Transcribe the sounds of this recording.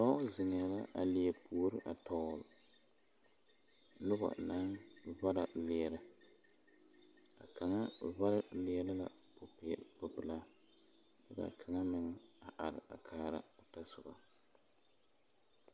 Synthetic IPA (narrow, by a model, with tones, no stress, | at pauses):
tɔ˦zɪ˨ŋɪ˨ja˨la˦ʔa̰˨lɪ˨e˨pʰuː˨˦ɾɨ˦ʔa˨tɔ˦˨l | lʊ˦ba̰˨na˦nva˦ɾa˨lɪ˨ɛ˨ɾɨ˦ | a̰˨ka˨ŋa˦va˦ɾa˦lɪ˦ɛ˦lɨ˦la̰˦po˨pɪ˨ɛ˨pʊ˨bɨ˨laː˦ | lɨ˦ba̰˨kʰa˨ŋa˦mɨ˨ŋɛ˦˨a˨ʔa˨ɾɪ̰˨ʔa̰˨kʰaː˦ɾa̰˦ʊ˨ta˦sʊ˨ba̰˨